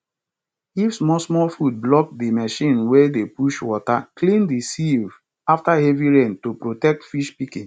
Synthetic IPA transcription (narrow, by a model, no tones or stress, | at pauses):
ifsmɔsmɔlfud̚blɔk̚dimɛʃĩnwedepuʃwɔta̰klĩndisiv | aftaheviɹẽntopɹotɛk̚tfiʃpikĩn